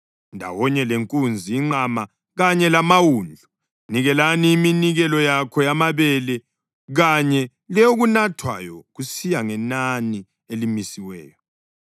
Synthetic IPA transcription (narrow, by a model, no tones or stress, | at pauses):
ndʱa̰wɔɲɛleŋkʼund͡zʱiːŋ͡ǃama | ɣaɲɛlamawund͡ɮʱu | niɣɛlaniːminiɣɛlɔjakʰɔjamaβɛlɛ | ɣaɲɛ | lɛoɣunatʰwa̰jɔɣusijaŋɛnani | elimisiwɛ̰ːjɔ